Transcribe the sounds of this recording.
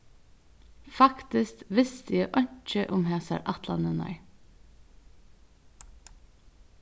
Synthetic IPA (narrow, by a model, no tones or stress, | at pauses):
fɑkt̪ɪst̪ʋɪst̪əjeːʔœɲt͡ʃəʔʊmhæːsæ̰ːɾʔɑt̪lɑ̰nənɑ̰ʏ